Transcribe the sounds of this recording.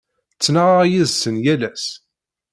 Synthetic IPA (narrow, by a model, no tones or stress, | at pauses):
t͡sːnəʁʁjiðsənjælæs